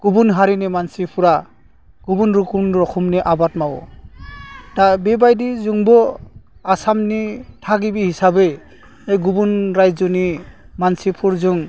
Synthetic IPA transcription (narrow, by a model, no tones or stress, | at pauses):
ɡ̥ubunɦaɾinemansipʰuɾa | ɡ̥ubunɾukunɾɔkʰumneʔabatmawɔ̰ | dabebajdizuŋbɔasamnitʰaɡibihisabe | ejɡubunɾajzɔnimansipʰuɾzuŋ